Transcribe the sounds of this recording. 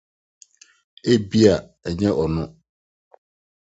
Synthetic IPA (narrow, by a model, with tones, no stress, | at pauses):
e˦bi˦a˨ | ɛ˨ɲɛ̃˦ʔɔ˨nʊ̃˦